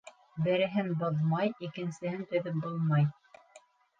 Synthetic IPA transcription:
bɘ̆ɾɘ̆ɦɘnboðmɑjikɘ̆nsɘ̆hɘnt̪ɵ̆ðɵp̚bolˠmɑj

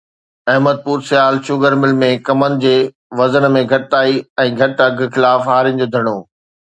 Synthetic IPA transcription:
ɐɦməd̪̚puːɾsɪjaːlʃʊɡəɾmɪlmẽkɐmənɪ̆d͡ʑeː | ʋɐzənmẽɡʱɐʈt̪aːiɛ̃ːɡʱɐʈɐɡʱxɪlaːfɦaːɾɪnɪ̆d͡ʑoːd̪ʱɐɽ̃oː

